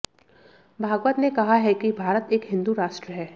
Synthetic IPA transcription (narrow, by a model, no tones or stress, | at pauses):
bʱaːɡʋət̪nekɐɦaɦɛkibʱaːɾət̪eːkɦɪ̃nd̪uɾaːʃʈɾəɦɛː